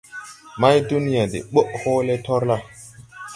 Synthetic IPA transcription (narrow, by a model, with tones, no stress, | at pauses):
ma˦jdu˦ni˦ja˨dḛ˨ɓo˦ʔho˦le˦tɔ˦ɾla˦